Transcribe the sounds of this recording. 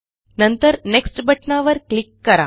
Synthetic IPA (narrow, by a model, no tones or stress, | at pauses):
nənt̪əɾneksʈbəʈnaʋəɾklikːəɾa̰